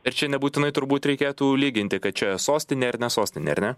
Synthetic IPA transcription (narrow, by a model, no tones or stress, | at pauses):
ɐɾt͡ʃʲɛnʲɛbuːt̪ʲɪnɐɪt̪ʊɾbuːt̪ɾʲɛɪkʲeːt̪uːlʲiːɡʲɪnʲt̪ʲɪkɐt̪̚t͡ʃʲɛsoːsʲt̪ʲɪnʲeːɐɾnʲɛsoːsʲt̪ʲɪnʲḛɐɾnʲɛ